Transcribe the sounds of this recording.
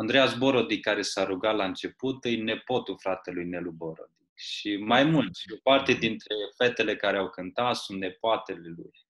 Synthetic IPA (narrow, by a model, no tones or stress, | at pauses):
and̪ɾejasbo̞ɾod̪ikaɾe̞saɾuɡat̪laɨnt͡ʃe̞put̪ɨjne̞po̞t̪ufɾat̪e̞lujnelubo̞ɾo̰d̪ikʃʃimajmult̪sʲopart̪ed̪int̪ɾe̞fe̞t̪e̞le̞kaɾeawkɨnt̪at̪sunt̪ne̞poat̪e̞le̞lṵj